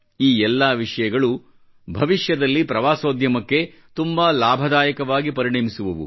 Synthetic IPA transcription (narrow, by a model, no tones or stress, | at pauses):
iːɛlːɐʋiʂɐjɐɡɐɭu | bʱɐʋiʃjɐd̪ɐlːipɾɐʋaːsoːd̪jɐmɐkːe̞ | t̪umbalaːbʱɐd̪aːjɐkɐʋaːɡipɐɾiɳeːmisuʋuʋṵ